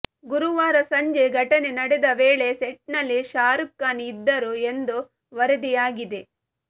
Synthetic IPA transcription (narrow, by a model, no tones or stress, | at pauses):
ɡuɾuʋaːɾɐsɐɲd͡ʒe̞ɡʱɐʈɐnenɐɽed̪ɐʋeːɭe̞seʈnɐlːiʃaːɾukːaːnːd̪ːɐɾue̞nd̪u | ʋɐɾɐd̪ijaːɡid̪e̞